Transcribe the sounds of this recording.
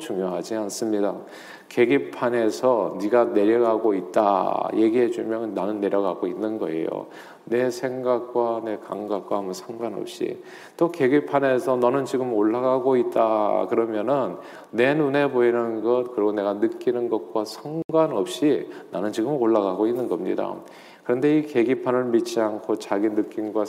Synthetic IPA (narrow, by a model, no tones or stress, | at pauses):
t͡ɕuŋjoɦad͡ʑians͈ɯmɲida | ke̞ɡipʰane̞sʰʌniɡane̞ɾjʌɡaɡoit̚t͈a̰je̞ɡiɦe̞d͡ʑumjʌnnːanɯnːe̞ɾjʌɡaɡoinːɯnɡʌe̞̰jo̰ | ne̞sʰe̞ŋɡak̚k͈wane̞kaŋɡak̚k͈waamɯnsʰʌŋɡwanʌ̰p̚ɕ͈ḭ | t͈oke̞ɡipʰane̞sʰʌnʌnɯnt͡ɕiɡɯmoɭːaɡaɡoit̚t͈akɯɾʌmjʌnɯnː | e̞nune̞boinɯnɡʌt̚kɯɾiɡone̞ɡanɯk͈inɯnɡʌt̚k͈wasʰʌŋɡwanʌp̚ɕ͈inanɯnt͡ɕiɡɯmoɭːaɡaɡoinːɯnɡʌmɲḭda̰ | kɯɾʌnde̞ike̞ɡipʰanɯɭmit͡ɕ͈iankʰot͡ɕaɡinɯk͈ːinɡwa